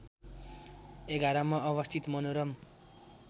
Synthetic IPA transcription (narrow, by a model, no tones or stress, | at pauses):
eɡaɾʌmʌʌβʌst̪ʰit̪mʌnoɾʌm